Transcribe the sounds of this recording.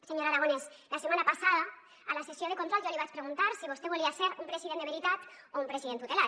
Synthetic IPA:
seɲoɾaɾaɣ̞ones | lasemanapasaða | alasesjoð̞ekont̪ɾolʒoliβat͡ʃpɾeɣ̞unt̪aɾsiβost̪eβuliaseɾumpɾeziðenβeɾit̪at̪ | oumpɾesiðent̪ut̪ela

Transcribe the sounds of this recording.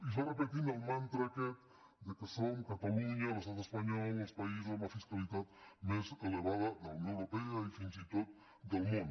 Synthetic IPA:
is̬oɾepet̪inelmãnt̪ɾaket̪ | d̪ekesoŋkat̪aluɲalost̪aðespaɲolnospaiszẽafiskaliðat̪maseleβaðaðaunjõneɾopeaifinsit̪ot̪̚ | d̪elmũnd̪

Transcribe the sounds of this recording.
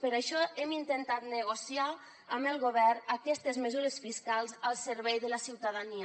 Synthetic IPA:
pəɾaʃɔemint̪ent̪at̪nəɣ̞osia | əməlˠɣoβɛrəkɛst̪əzməzuɾəsfiskalˠzəlˠsəɾβɛjðələsiwt̪aðaniə

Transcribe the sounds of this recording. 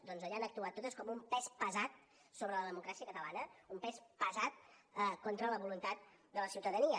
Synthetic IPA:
d̪ɔnzəʎanək̚t̪uat̪ːot̪əskɔmumpɛspəzat̪̚ | soβɾələðəmukɾasiəkət̪əlanəumpɛspəzat̪əkont̪ɾələβulunt̪at̪̚d̪ələsiwt̪əðəniə

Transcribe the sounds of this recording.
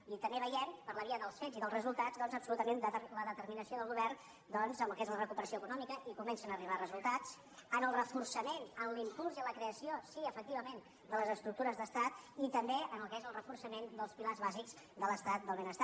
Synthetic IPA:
it̪əmbeβəjempəɾləβiəðəlˠsfeziðəlˠzrəzulˠt̪azd̪ɔnzəpsulut̪əmend̪ələðət̪ərminəsioðəlˠɣuβɛrn | d̪ɔnzəməlˠkezlərəkupəɾəsioəkunɔmikəʔikumɛnsənəːriβ̞arəzulˠt̪at͡s | ənəlˠrəfursəmenənlimpulˠziələkɾeəsiosiəfək̚t̪iβəmen | d̪ələzəst̪ɾuk̚t̪uɾəzðəst̪at̪it̪əmbeənəlˠkezəlˠrəfursəmend̪əlˠspilarzβazikzd̪ələst̪at̪̚d̪əlˠβenəst̪a

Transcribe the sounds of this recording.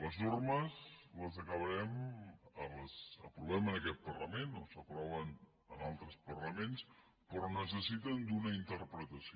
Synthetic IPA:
ləznorməzləzəkəβəɾɛmələzə̰pɾuβɛmənəkɛt̪̚pərləmeno̰səpɾɔβ̞ən | ənalˠt̪ɾəspərləmens | pɾɔnəs̬əsit̪ənd̪unəint̪əɾpɾət̪əsio

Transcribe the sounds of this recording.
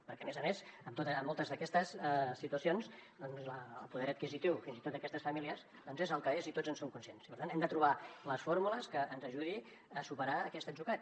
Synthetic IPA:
pəɾkɛəmezəmezəmt̪ot̪əːmːolˠt̪əzðəkɛst̪əssit̪uəsionzd̪ɔnzləːlˠpuðɛɾət̪kizit̪iwfinzit̪ot̪d̪əkɛst̪əsfəmiliəz | d̪ɔnzezəlˠkəezit̪od͡zənsomkunsiensipəɾt̪anɛmd̪ət̪ɾuβ̞aləsfoɾmuləskəʔːnzəʒuði | əsupəɾaəkɛst̪əʒuɣat̪̚

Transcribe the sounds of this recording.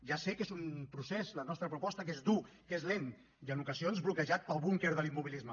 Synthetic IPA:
ʒasekezumpɾusezlənɔst̪ɾəpɾupɔst̪əkezd̪ukezlen | iənukəzionzβlukəʒat̪̚pəlˠβuŋkeɾðəlimːuβilizmə

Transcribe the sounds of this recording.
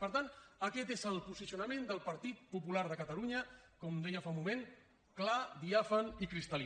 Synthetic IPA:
pəɾt̪anəkɛt̪ezəlˠpuzisiunəmend̪əlˠpəɾt̪it̪̚pupulaɾð̞əkət̪əluɲəkɔmd̪ɛjəfaũmumẽn | klad̪iafənikɾist̪əli

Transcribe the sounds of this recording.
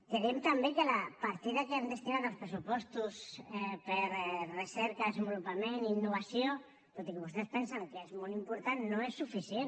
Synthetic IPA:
keɾemt̪ambekelapaɾt̪iðakeand̪est̪inaðalospɾesupost̪usepeɾreseɾkaðesembolupamẽninːoβ̞asjo | t̪ot̪ikeβost̪espensaŋkeezmolimpoɾt̪annõesːufiθjen

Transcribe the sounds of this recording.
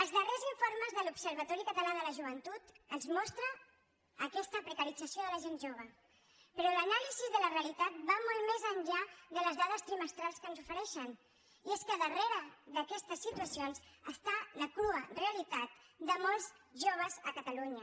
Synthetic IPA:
əlˠzðəreziɱfoɾməzðəlupsəɾβət̪ɔɾikət̪əlaðələʒuβ̞ənt̪ut̪ənzmɔst̪ɾəː | kɛst̪əpɾəkəɾid͡zəsioðələʒenʒoβ̞ə | pəɾɔlənalizizðələreəlit̪at̪̚bamɔlˠmezənʎaðələzðaðəst̪ɾiməst̪ɾalˠskənzufəɾɛʃən | ieskəðəreɾəðəkɛst̪əsːit̪uəsionzəst̪aləkluəreəlit̪at̪d̪əmɔlˠz | ʒoβ̞əzəkət̪əluɲə

